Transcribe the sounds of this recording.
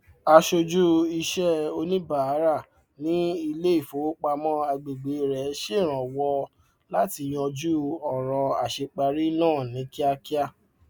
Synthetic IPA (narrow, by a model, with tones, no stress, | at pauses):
a˧ʃo˧d͡ʒu˦i˧ʃɛ˦o˧nĩ˦ba˨a˨˦ɾa˦˨ | nĩ˨˦i˧le˦i˦˨fo˨˦k͡pa˧mɔ̃˦a˧ɡ͡be˨ɡ͡be˨˦˨ɾɛ˨˦ʃe˦˨ɾ̃ã˨wɔ˧ | la˦ti˧˨j̃ɔ̃˧d͡ʒu˦ɔ˦˨ɾ̃ɔ̃˧a˨ʃe˧k͡pa˧ɾi˦nãː˦˨nĩ˨˦ki˦a˧ki˦a˦˨